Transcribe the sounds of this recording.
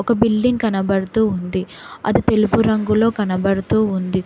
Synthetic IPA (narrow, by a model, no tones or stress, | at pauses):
ɔkɐbilɖiŋɡkɐnɐbɐɽut̪uːund̪iɐ̰d̪it̪e̞lupuɾɐŋɡulo̞ːkɐnɐbɐɽut̪uːund̪i